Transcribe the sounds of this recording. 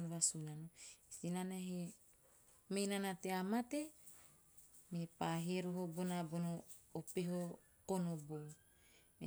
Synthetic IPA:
nβasunanoisinanaɦe | mejnanateamat̪e | mepaɦieɾoɦobonabonoː | peɦo | konobo | me

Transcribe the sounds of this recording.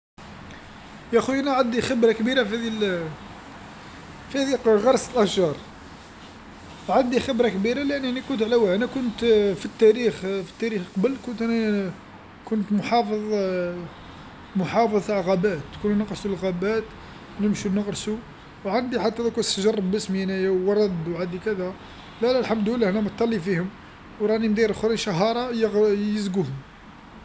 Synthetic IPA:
jæxuʔænæʕand̪ixəbɾɑkbiɾafæd̪il | fihæd̪iɣɑɾˤsəlʔæʃʒɑɾˤ | ʕand̪ixəbɾˤɑkbiɾalʔænːænikʊnt̪ʕlæwænækʊnt̪fit̪ːæɾixfi̥t̪ːæɾixqɑbəlkʊnt̪ʔænæ | kʊnt̪mʊħɑfðˤ | mʊħɑfəðˤiʕɣɑbæt̪ːkununəqɾsulɣæbæt̪ | nəmʃunəqɾsu | wʕand̪iħad̪ːæd̪ækunsəʒɑrˤːɑbːəsmjænæjæwːɑɾˤɑd̪wʕad̪ikæd̪æ | lælælħamd̪əwəlːæhænæmət̪ˤːɑlːifihʊm | wɾˤɑnimd̪iɾxɾˤinʃɑɦɑɾˤɑjjəzɡuhʊm

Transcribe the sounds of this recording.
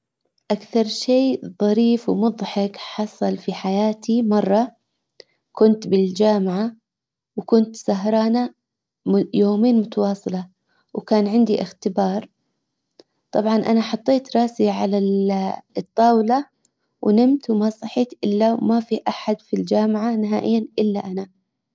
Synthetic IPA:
ʔakθɑɾˤʃeːðˤɑɾiːfwmʊðˤħɪkħɑsˤɑlfiħajaːt̪ʰimɑrˤːɑ | kʊnt̪bɪld͡ʒaːmʕa | wkʊnt̪saɦɾˤɑːna | joːmeːnmʊt̪ɑwɑːsˤɨlɑ | wkaːnʕɪnd̪iʔɪxt̪ɪbɑːɾˤ | t̪ˤɑbʕɑnʔanaħɑt̪ˤːeːt̪ɾˤɑːsiʕala | ɨt̪ˤːɑːwla | wʔnɪmt̪wmasˤɑħiːt̪ʔɪlːamafiʔaħad̪fild͡ʒaːmʕanɪɦaːʔɪjːanʔɪlːaʔana

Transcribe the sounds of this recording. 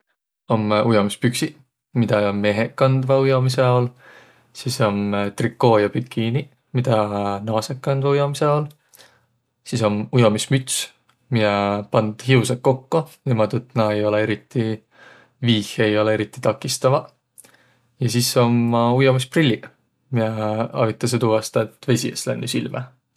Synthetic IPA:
o̞mujomispyksi | mid̪̥ɑme̞ɦekːɑnd̪vɑujo̞miseo̞l | siso̞mt̪rikːo̞ːjɑpyt̪̚kʰiːni | mid̪̥ɑnɑːsekːɑnd̪vɑujomiseol | siso̞mujo̞mismyt̪s | mijɑpɑnd̪̥hiusekkːo̞kːonemɑt̪ut̪ːnɑejo̞lee̞ɾit̪ˑːi | viːhe̞jo̞leeɾit̪ːˑi̥t̪ɑkːˑist̪ɑvɑ | jɑsisːo̞mːɑujomisprilʲːi | mieɑ̰vit̪ːˑɑs̬et̪uɑst̪ɑet̪ːve̞sʲieslæ̰nːysilmɑ̰

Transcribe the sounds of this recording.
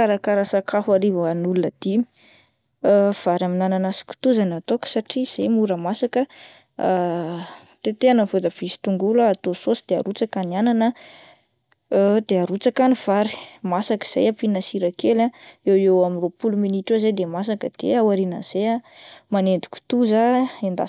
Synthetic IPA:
aɾakaɾəsakafaɾivaanulunəd̪̥imi̥ | v̥aɾaminananasi̥ku̥t̪uzanat̪okə̥saʈ͡ʂiz̥ejmuɾəmasakə | t̪et̪eanəvod̪əv̥isi̥t̪uŋɡulaːt̪ososid̪̥ea̰ɾut͡sakaniananə | d̪̥eaɾut͡sakaniv̥aɾi̥masakə̥z̥a̰japinasiɾakelaewewaminropuluminiʈ͡ʂozejd̪emas̬akəd̪̥ḛawaɾinə̰z̥ejamanend̪i̥kʲu̥t̪uzaend̪a̰

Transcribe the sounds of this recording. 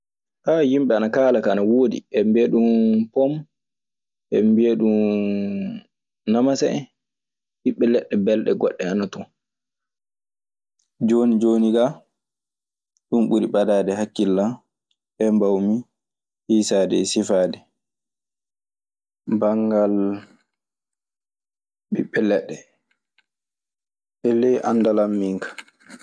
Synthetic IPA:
ʔajimɓɛanakaːlakaːnawoːdḭʔɛmbeːɗumpɔm | ʔɛmbeɗum | namasɛ̰ | hiɓːɛlɛɗːɛbɛlɗɛɡɔɗːɛanatɔ | d͡ʒoːnid͡ʒoniɡa | ɗumɓuɾiɓadadɛɦakːilːa | ɓɛmbawmi | hiːsadɛsifaːdɛ | baŋɡal | ɓiɓːɛlɛɗːɛ | ɓɛlɛʔanːdalamːiŋkḁ

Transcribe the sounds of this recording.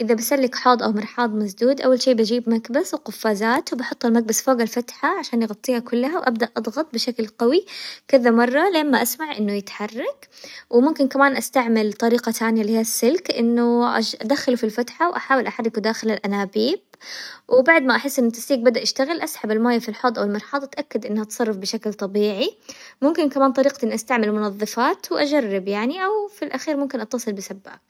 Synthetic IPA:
ʔɪðabɪsalːɪkħɑːd̪ˤʔawmɪɾˤħɑːd̪ˤmasd̪uːd̪ʔawːalʃiːbad͡ʒiːbmaɡbaswqʊfːaːzaːt̪wbɑħʊt̪ˤːalmaɡ̚basfoːɡalfat̪ħaʕaʃaːnjɪɣɑt̪ˤːiːhakʊlːaɦawʔabd̪aʔʔɑd̪ˤɣɑt̪̚ˤbɪʃaklqawikɪðamɑrˤːɑleːmːaʔasmaʕʔɪnːʊjɪt̪ħɑrˤːɑkwɪmʊmkɪnkamaːnʔast̪aʕmɪlt̪ˤɑɾiːqɑt̪ʰaːnɪjalɪhiːasːɪlkʔɪnːʊʔaʔad̪axalufilfat̪ħawʔaħaːwɪlʔaħarˤːɪkud̪aːxɪlalʔanaːbiːb̚ | wɪbaʕd̪maʔaħɪsːʔɪnːɪt̪ːḁst̪iːɡ̚bad̪aʔaʃt̪aɣɪlʔasħabalmaːjːafilħɑd̪ˤʔawɪlmɪɾħɑːd̪ˤat̪ʔakːad̪ʔɪnːʔat̪sˤɑrˤːɑfbɪʃaklt̪ˤɑbiːʕimʊmkɪnkamaːnt̪ˤɑɾiːq̪ʔɪnːʔast̪aʕmɪlmʊnɑðˤːɨfaːt̪wʔad͡ʒarːɪbjaʕniʔawfilʔaxiːɾmʊmkɪnʔɑt̪ːɑsˤɨlbɪsabːa̰

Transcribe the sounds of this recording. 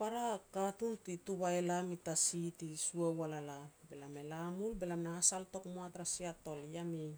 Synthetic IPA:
paɾakatultituβaelamitasitisuewalalabelame̞lamulbelamnaasalto̞kmoatɾasiato̞ljami

